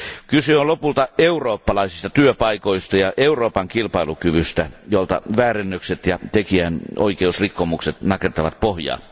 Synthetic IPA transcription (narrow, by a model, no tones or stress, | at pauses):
kyseonlopult̪ɑeuroːpːɑlɑisist̪ɑt̪yøpɑikoist̪ɑjɑʔeuroːpɑŋkilpɑilukyʋyst̪æjolt̪ɑ̰ʋæːrenːøkset̪jɑt̪ekiæno̰ikeusrikːomukset̪nɑket̪ːɑʋɑt̪̚pohjɑ̰ː